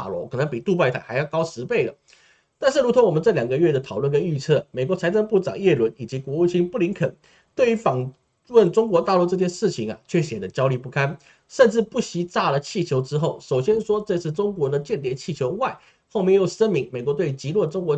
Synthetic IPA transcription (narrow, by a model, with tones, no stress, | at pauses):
a̰˨˩lwɔ˧˦˥kʰɤ˨˩nə˧˥ŋpi˨˩t̪u˥˧pa˥˧ɪt̪ʰa˧˥ɪxa˧˥ɪjɑ˥˩ʊkɑ˥ʊʂɻ̩˧˥pe˥˩ɪlə̰˩ | t̪a˥˧nʂɻ̩˥˩ɻu˧˥t̪ʰʊ˧˥ŋwɔ˨˩mə˧˦nʈ͡ʂɤ˥˩ljɑ˨˩ŋɡə˧˦ɥɛ˥˩d̪ə˩t̪ʰɑ˨˩ʊlwə˥˩nkə˥ny˥˧t͡sʰɤ˥˩me˨˩ɪkwɔ˧˥t͡sʰa˧˥ɪʈ͡ʂə˥˧ŋpu˥˩ʈ͡ʂɑ̰˨˩ŋjɛ˥˩lwə˧˥ni˨˩t͡ɕi˧˥kwɔ˧˥u˥˩t͡ɕʰi˥npu˥˩li˧˥nkʰə˨˩n | t̪we˥˩y˧˥fɑ˨˩ŋ | wə˥˩nʈ͡ʂʊ˥ŋk̬wɔ˧˥t̪a˥˧lu˥˧ʈ͡ʂɤ˥˧t͡ɕjɛ˥˧nʂɻ̩˥˩t͡ɕʰi˨ŋɐ̰˨˩t͡ɕʰɥɛ˥˩ɕjɛ˨˩d̪ə˦t͡ɕjɑ˥ʊli˥˧pu˥˩kʰa˥n | ʂə˥˧nʈ͡ʂɻ̩˥˧pu˥˩ɕi˧˥t͡sa˥˩lə˩t͡ɕʰi˥˩t͡ɕʰjo˧˥ʊʈ͡ʂɻ̩˥xo˥˩ʊʂo˨˩ʊɕjɛ˥nʂwɔ˥ʈ͡ʂɤ˥˧ʂɻ̩˥˩ʈ͡ʂʊ˥ŋkwɔ˧˥d̪ə˨t͡ɕjɛ˥˩nt̪jɛ˧˥˩t͡ɕʰi˥˩t͡ɕʰjo˧˥ʊwa˥˩ɪ | xo˥˧ʊmjɛ˥˧ŋjo˥˩ʊʂə˥nmi˧˥ŋme˨˩ɪkwɔ˧˥t̪we˥˩ɪy˧˩t͡ɕi˧˥lwɔ˥˩ʈ͡ʂʊ˥ŋkwɔ˧˥